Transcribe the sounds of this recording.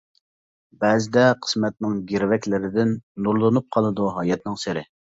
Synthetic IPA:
bɛzɪd̪ɛqʰə̥smɛt̪̚nɪŋɡʲiɾvɛkʲlɪɾɪd̪ɪnːuɾlˠɨnup̚qʰɑlˠɨd̪uɦɑːjɛt̪̚nɨŋsɪɾɪ

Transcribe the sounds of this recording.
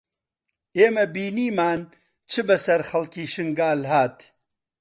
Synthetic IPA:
eːmɐbiːniːmaːn | t͡ʃʰɨbɐsɐɾxɐlkiːʃɨŋɡaːlhaːt̪

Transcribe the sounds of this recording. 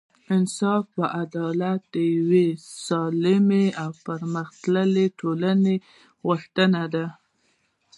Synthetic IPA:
ɪnsɑfpəʔad̪ɑlat̪̚d̪əjawesɑlɪmeawpəɾməxt̪ləleʈʰolane | ɣʊxt̪ənad̪a

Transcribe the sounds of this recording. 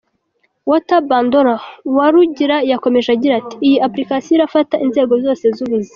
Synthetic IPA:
wotabaːndoɾawaɾuɟiɾajako̞me̞ʒaɟiɾati̥ːjiapɾikasiiɾafataʔinze̞ːɡo̞vzo̞ːse̞zuβize

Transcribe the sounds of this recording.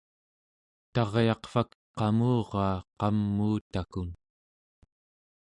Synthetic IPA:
t̪ɑʁjɑqfak | qɑmuːʁɑːqɑmːuːt̪akun

